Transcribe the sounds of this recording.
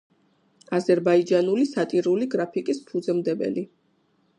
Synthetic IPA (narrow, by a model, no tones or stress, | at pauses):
azɛɾbaid͡ʒanulisat̪ʼiɾuliɡɾapʰikʼispʰud̪zɛmd̪ɛbɛ̰li